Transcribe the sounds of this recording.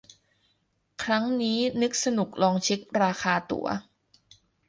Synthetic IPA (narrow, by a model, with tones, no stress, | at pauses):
kʰɾa˦˥ŋniː˦˥nɯ˦˥k̚sa˧nu˨˩k̚lɔː˧ŋt͡ɕʰi˦˥k̚ɾaː˧xʰaː˧t̪ṵ˩˦ɐ̰